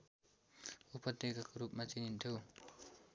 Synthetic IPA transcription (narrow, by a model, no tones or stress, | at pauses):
upʌd̪jeɡakoɾupmat͡sinint̪ʰjo